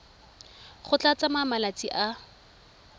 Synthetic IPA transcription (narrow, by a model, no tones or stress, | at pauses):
χʊt͡ɬat͡samamalat͡sʼiʔa